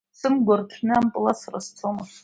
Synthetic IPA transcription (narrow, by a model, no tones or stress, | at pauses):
sɨmɡʷarkʲʰnɨampʼɨlasarast͡sʰomɨs